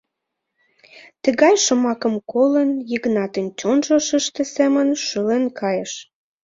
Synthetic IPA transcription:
t̪əɣɑjʃəmɑkə̆mkolənjiɣnɑt̪ənt͡ɕonʒəʃəʃt̪esemənʃəlenkʰɑjəʃ

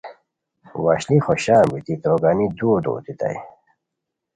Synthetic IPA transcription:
waɕlixoɕaːmbit̪it̪ɾoɡanid̪uːd̪o̰ːt̪it̪a̰j

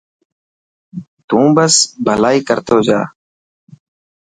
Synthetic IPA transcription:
t̪ũːbəsbʱəlaːiːkəɾt̪oːd͡ʒa̰ː

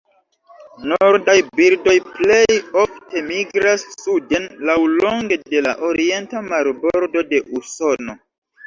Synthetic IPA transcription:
noɾdajbiɾdo̞jple̞jofte̞miɡɾasːude̞nlawloŋɡe̞de̞laʔoɾie̞ntamaɾboɾdo̞de̞ʔuso̞no̞

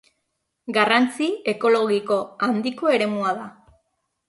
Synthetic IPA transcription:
ɡarant͡sie̞ko̞lo̞ɣiko̞and̪iko̞e̞ɾe̞muaða

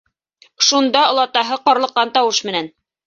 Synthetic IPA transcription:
ʃund̪ɑŏlˠɑt̪ɑɦɤqɑɾlˠɤ̆qːɑnt̪ɑwɤʃmɘ̆næn

